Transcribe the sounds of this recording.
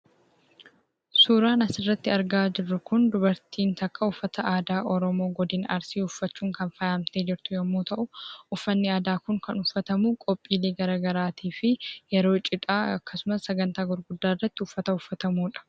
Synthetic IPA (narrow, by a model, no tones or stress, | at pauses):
suːɾaːnɐsɪrːɐt̪ːɪɐɾɡaːd͡ʒɪrːʊkʊnd̪ʊbɐɾt̪ʰiːnt̪ɐkːɐʊfːɐt̪ɐʔaːd̪aːʔɔɾɔmo̞ːɡɔd̪ɪnɐɾsiːʊfːɐt͡ʃːuːŋkɐnfɐjaːmt̪e̞ːd͡ʒɪɾt̪ʊjɐmːuːt̪ɐʔʊʊfːɐnːɪaːd̪aːkʊŋkɐnʊfːɐt̪ɐmuːkʼɔpʼːiːleːɡɐɾaːɡɐɾaːt̪ʰiːfɪjɛɾo̞ːt͡ʃʼɪt̪ʼaːɐ̰kːɐsʊmɐsːɐɡɐnt̪aːɡʊɾɡʊd̪ːaːrːɐt̪ːɪʊfːɐt̪ɐʊfːɐt̪ɐmuːᶑɐ̥